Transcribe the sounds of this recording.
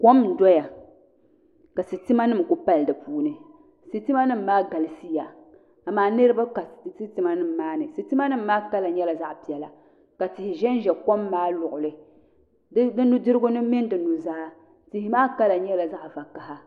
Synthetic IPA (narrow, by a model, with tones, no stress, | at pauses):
ko˦m̩˨dɔ˦ja˨ | ka˨si˨ti˦ma˦nɨ˦m˨kʊ˦pa˦ldɨ˨puː˦nɨ˨ | si˦tɨ˦ma˦nɨ˦m̩˨maː˦ɡa˨lɨ˨si˦ja˨ | a˨maː˨˦nɨ˦ɾɨ˦ba˦ka˨si˦ti˦ma˦nɨ˦˨m̩˨maː˦nɨ˨si˨tɨ˦ma˦nɨ˦m̩ː˦aː˦ka˦la˨ɲɛ˦la˨za˦ʔpi˨ɛ˨la˨ | ka˨tɪ˨hɪ˨ʒɛ˦n˦ʒɛ˨ko˦mːaː˦lʊ˨ʔʊ˨lɨ˨˦ | dɨ˦nu˦dɨ˦ɾɨ˦ɡʊ˦nɨ˦mɪ˦n˦dɨ˨nu˨zaː˦ | tɪ˨hɪ˦maː˦ka˦la˨ɲɛ˦la˨za˦ʔva˨ka˨ɦa˦